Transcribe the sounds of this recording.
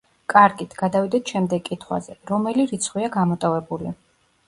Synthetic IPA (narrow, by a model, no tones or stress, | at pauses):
kʼaɾɡit̪ʰɡ̥ad̪avid̪ɛt̪ʰʃɛmd̪ɛɡkʼit̪ʰχwa̰zɛɾɔmɛliɾit̪sʰχwiaɡamɔt̪ʼɔvɛbuli